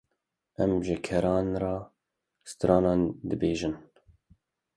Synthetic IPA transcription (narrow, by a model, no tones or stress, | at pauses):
ʔɛmʒɪkʰɛɾɑːnrɑː | st̪ɾɑːnɑːnd̪ɨbeːʒɨn